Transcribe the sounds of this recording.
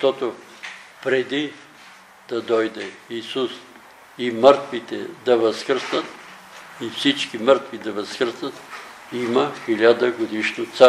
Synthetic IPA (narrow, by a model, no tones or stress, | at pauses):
ʃt̪ɔt̪o | pɾɛd̪i | d̪ɐd̪ɔjd̪ɛisus | iməɾt̪vit̪ɛd̪ɐvɐskɾsnət̪ | ifsit͡ʃkiməɾt̪vid̪ɐvɐskɾsnət̪ | imɐxilʲad̪əɡod̪iʃnot̪sa